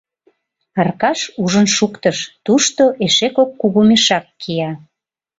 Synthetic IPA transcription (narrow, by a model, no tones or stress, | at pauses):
ərkɑʃuʒənʃukt̪əʃt̪uʃt̪oʔeʃekokːuɣumeʃɑkːijɑ